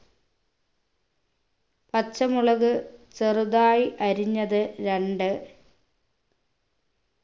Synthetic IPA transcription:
pɐt͡ɕːɐmuɭɐɣɨt͡ɕerud̪aːjiʔɐɾiɲːɐðɨɾeɳɖɨ

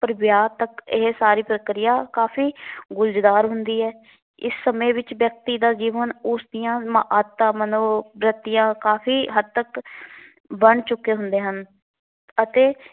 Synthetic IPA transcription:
pəɾbɪjaːt̪əkɪɦsaːɾiːpɾəkɾɪjaːkaːpʰiːɡʊld͡ʒd̪aːɾɦʊnd̪iːɛː | ɪsːəmẽːʋɪt͡ʃʋjək̚t̪iːd̪aːd͡ʒiːʋənʊsd̪ɪjãːmaʔat̪ːãːmənõːbɾət̪ːɪjãːkaːpʰiːɦəd̪̚t̪ək | bəɳt͡ʃʊkːeːɦʊnd̪eːɦən | ət̪eː

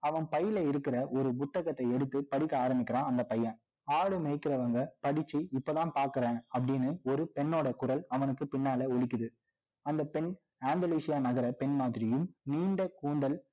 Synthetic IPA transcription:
ɐʋɐnpɐjɪlɐɪɾɯkːɪɾɐʔɔɾɯpʊt̪ːɐɣɐt̪ːɐɪɛɽɯt̪ːɯpɐɽɪkːaːɾɐmbɪkʲːɪɾãːɐnd̪ɐpɐjːɐ̃ | aːɽɯmɛɪkːɪɾɐʋɐŋɡɐpɐɽɪt͡ʃːiɪpːoːðãːnpaːɾkɯɾẽːɐpːɐɽɪnːɯɔɾɯpɛnːoːɽɐkʊɾɐlɐʋɐnɯkːɯpɪnːaːlɐɔɭɪk̬ʲːɯðɯ | ɐnd̪ɐpɛn | aːnd̪ɐliːsɪjaːnɐɣɐɾɐpɛnmaːðɪɾɪjɯmniːɳɖɐkuːnd̪ɐl

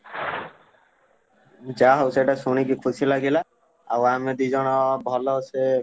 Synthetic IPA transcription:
d͡ʒaɦɔwseʈasunik̬ikʰusilaɡila | awamed̪uzɔnɔbʱɔlɔse

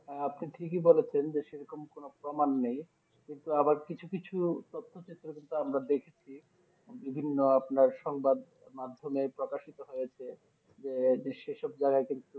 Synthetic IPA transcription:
ɦɛapniʈʰikibolet͡ɕʰend͡ʑeʃeɾɔkomkonopɾomanːej | kint̪uabaɾkit͡ɕʰukit͡ɕʰut̪ot̪ʰːot͡ɕet̪ːɾokint̪uamɾad̪ekʰet͡ɕʰi | bibʱinːoapnaɾʃɔŋbad̪ | mad̪ʱːomepɾokaʃit̪oɦojet͡ɕʰe | d͡ʑed͡ʑeʃeʃɔb̚d͡ʑaɡaekint̪u

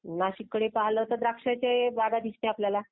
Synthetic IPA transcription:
naɕikːəɽepaɦləɦot̪əd̪ɾakʂat͡ɕeʋaɡad̪ʱisneapljala

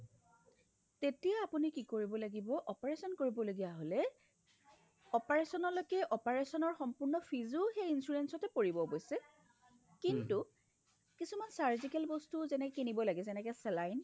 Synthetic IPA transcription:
tetijaapunikikoɹibɔlaɡibɔʔɔpaɹesɔnkoɹibɔloɡijaɦolɛ | ɔpaɹesɔnɔlojkɛʔɔpaɹesɔnɔɹxɔmpʊɹnɔpʰizuxejinsuɹensɔtɛpoɹibɔbojsɛ | kintu | kisumansaɹzikɛlbɔstuzɛnɛkɛkinibɔlaɡɛzɛnɛkɛsɛlajn

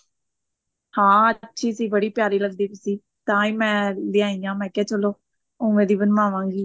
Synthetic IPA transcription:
hãːətːʃʰiːsiːbəɽiːpjaːɾiːləɡd̪iːt̪ʊsiː | t̪ãːĩːmɛ̃ːlɪãːĩːãːmɛ̃ːkɛːt͡ʃəloː | ʊ̃ːʋẽːd̪iːbənmaːʋãːɡiː

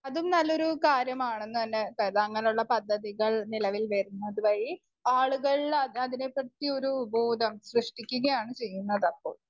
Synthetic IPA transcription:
ɐðumnɐlːo̞ɾukaːɾjɐmaːɳenːuɐnːekɐɾðaɐŋːɐnejuɭːɐpɐd̪ʱːɐðiɣɐɭnilɐʋilʋerunːɐðɨʋɐji | aːɭuɣɐɭiɐɐðine̞pːɐɽt̪ːio̞ɾubo̞ːd̪ʱɐmɕrɨʂʈikʲːuɣɐjaːɳɨt͡ɕe̞jːunːɐðɐpːo̞̰ːɭ

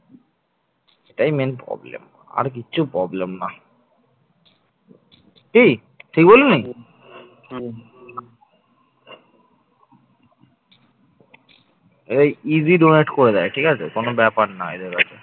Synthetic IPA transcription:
eʈajmenpɾɔ̰blḛm | a̰ɾk̬iːɕʰupɾɔblemna | ʈi | ʈʰik̚bolenij | eʈajiziɖoneʈkoɾed̪aeʈʰikat͡ɕʰekonobɛpaʈna̰ḛd̪eɾkatʰe

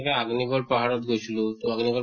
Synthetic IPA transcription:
kaaɡniɡɔlpaɦaɽɔt̪ɡʱot͡ʃlut̪uaɡniɡɔ

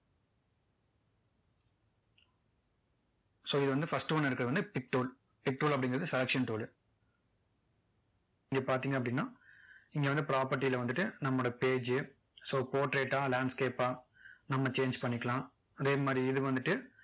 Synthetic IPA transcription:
soːɪðɯʋɐnd̪ɯfɐsʈɯʋɐnːɐɾɯkːɐɽɯʋɐnd̪ɯpɪk̚ʈuːl | pɪk̚ʈuːlɐpːɐɽɪ̃ŋɡɪɾɐðɯsɛlɐkʂɐnʈuːl | ɪŋɡeːpaːɾt̪iːŋɡɐpːɐɽɪnːaːɪŋɡeʋɐnd̪ɯpɪɾaːpɐɾʈ̬ːijɪlɐʋɐnd̪ɯʈːɯnɐmːɽɐpeːd͡ʒɯ | soːpoːʈɾeːʈːaːlaːɳɖskeːpaːnɐmːɐt͡ʃeːɲd͡ʒpɐɳːɪkːɐɭãː | ɐðeːmaːd̪ɾiɪðɯʋɐnd̪ɯʈːɯ

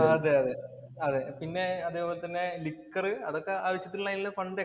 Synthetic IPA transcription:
ɐðeɐðe | ɐðepinːe̞ɐðeːpoːlet̪ɐnːe̞likːɐrɨɐ̰ðo̞kːeaːʋɐɕjɐt̪̬ːilɭːlɐjnilːɐfɐɳɖe

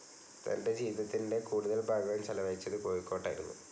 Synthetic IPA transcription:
t̪ɐ̰nde̞d͡ʑiːʋiðɐt̪ːinde̞kuːɽuðɐlbʱaːɡɐʋɐjmt͡ɕɐlɐʋɐjit͡ɕːɐðɨkoːɻikːo̞ːʈːaːjiɾunːṵ

